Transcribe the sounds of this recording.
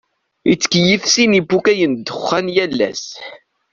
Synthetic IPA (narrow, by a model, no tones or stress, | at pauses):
it͡sːə̥kjifsinibːukæjənd̪əχːænjælːæ̰s